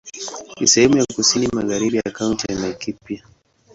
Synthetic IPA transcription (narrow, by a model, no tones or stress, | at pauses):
nḭsɛhɛmujakusinimaɣaɾiɓijakauntianakipja